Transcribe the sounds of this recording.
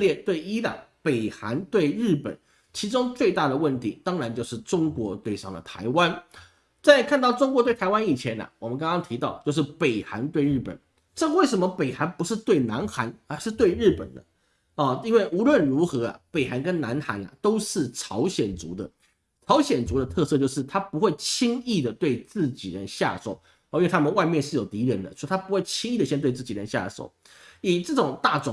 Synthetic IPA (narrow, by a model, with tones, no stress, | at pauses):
ljɛ˥˧t̪we˥˩ɪi˥lə̰˨pe˨˩ɪxa˧˥nt̪we˥˧ɪɻɻ̩˥˩pə̰˨˩˦n | t͡ɕʰi˧˥ʈ͡ʂʊ˥ŋt͡swe˥˧ɪt̪a˥˩d̪ə˩wə˥˩nt̪ʰi˧˥t̪ɑ˥ŋɻa˧˥nt͡ɕjo˥˧ʊʂɻ̩˥˩ʈ͡ʂʊ˥ŋkwɔ˧˥t̪we˥˧ɪʂɑ̰˥˩ŋd̪ə̰˩t̪ʰa̰˧˥ɪwa˦˥n | t͡sa˥˧ɪkʰa˥˧nt̪ɑ˥˩ʊʈ͡ʂʊ˥ŋkwɔ˧˥t̪we˥˩ɪt̪ʰa˧˥ɪwa˥ni˨˩t͡ɕʰjɛ˨˧˥nɐ̰˨wɔ˨˩mə˦nkɑ˥ŋkɑ˥ŋt̪ʰi˧˥t̪ɑ˥˧ʊt͡ɕjʊʂ̬ɻ̩˥˩pe˨˩ɪxa̰˧˥nt̪we˥˧ɪɻɻ̩˥˩pə̰˨˩n | ʈ͡ʂɤ˥˩we˥˩ɪʂə˧˥nmə˧pe˨˩ɪxa˧˥npu˧˥ʂɻ̩˥˧t̪we˥˩ɪna˧˥nxa˧˥nə˧˥ʂɻ̩˥˧t̪we˥˧ɪɻɻ̩˥˩pə̰˨˩nd̪ə̰˦ | ɔ˥˩i˥nwe˥˩ɪʔu˧˥lwə˥˩nɻu˧˥xɤ˧˥ɐ̰˨pe˨˩ɪxa˧˥nkə˥nna˧˥nxa̰˧˥nɐ̰˨t̪o˥ʊʂɻ̩˥˩ʈ͡ʂʰɑ˧˥ʊɕjɛ˨˩nt͡sṵ˧˥d̪ə̰˧˨ | ʈ͡ʂʰɑ˧˥ʊɕjɛ˨˩nt͡su˧˥d̪ə˧t̪ʰɤ˥˧sɤ˥˧t͡ɕjo˥˧ʊʂɻ̩˥˩t̪ʰa˥pu˧˥xwe˥˩ɪt͡ɕʰi˥ŋi˥˩d̪ə˩t̪we˥˧ɪt͡sɹ̩˥˩t͡ɕi˨˩ɻə̰˧˦nɕja̰˥˧so̰˨˩˦ʊ | ɔ˧˦ʊt͡ɕʰt̪ʰa˥mə˨nwa˥˧ɪmjɛ˥˧nʂɻ̩˥˩jo˨˩ʊt̪i˧˥ɻə˧˥nd̪ə˦t͡ɕo˥˧˥t̪ʰa˥pu˧˥xwe˥˩ɪt͡ɕʰi˥ŋi˥˩d̪ə˩ɕjɛ˥˧nt̪we˥˧ɪt͡s̩˥˩t͡ɕi˨˩ɻə̰˧˦nɕja̰˥˧˩ʂo̰˨˩ʊ | i˨˩ʈ͡ʂɤ˥˩ʈ͡ʂʊ˨˩ŋt̪a˥˩ʈ͡ʂʊ˨˩